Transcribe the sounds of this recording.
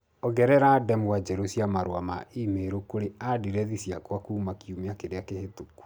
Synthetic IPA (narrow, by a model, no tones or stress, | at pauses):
ɔɡɛɾɛɾadɛmwad͡ʒɛɾosiamaɾwamaʔimeɾokoɾeadiɾɛðisjakwakuːmakiumeakeɾeakehetoku̥